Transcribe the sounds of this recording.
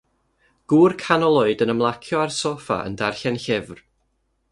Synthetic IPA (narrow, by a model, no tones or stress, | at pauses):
ɡ̥uːrkʰanɔlˠoɨdənəmlˠakʰjɔarsɔfa̰ʔə̰ndarɬɛnɬɪvr